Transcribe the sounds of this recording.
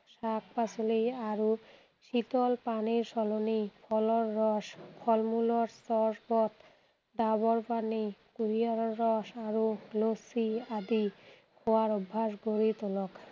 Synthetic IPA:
ʃak̚ʰpat͡ɕolejaɾo | ʃit̪ɔlpaniɾʃɔlonipʰɔlɔɾːɔʃpʰɔlmuloɾst̪ɔɾpɔt̪ | ɖ̪abɔɾpanikuɾijaɾɔɾːɔʃaɾolosiad̪i | kʰoaɾɔbʱːaʃɡoɾit̪olɔk

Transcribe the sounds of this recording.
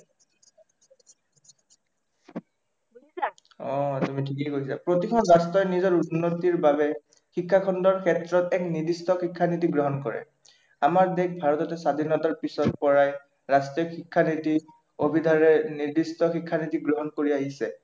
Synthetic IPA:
ɔtumitʰikɛjkoɦisapɹotikʰɔnɹastɹɔjnizɔɹunːotiɹbabɛ | xikʰːakʰɔndɔɹkʰɛtɹɔtɛknidistɔxikʰːanitiɡɹɔɦɔnkɔɹɛ̰ | amaɹdek̚bʱaɹɔtɔtɛsadʱinɔtaɹpisɔt̚pɔɹaj | ɹastɹiɔxikʰːaniti | obʱidʱaɹɛniɹdistɔxikʰːanitiɡɹɔɦɔnkoɹiaɦisɛ

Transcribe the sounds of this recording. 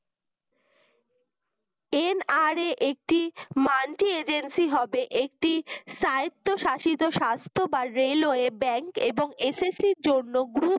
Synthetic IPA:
enaɾeʔek̚ʈimaɳʈied͡ʑensiɦɔbeʔek̚ʈiʃajt̪ːoʃaʃit̪oʃast̪ʰobaɾeloebɛŋkeboŋesesiɾd͡ʑonːoɡɾup

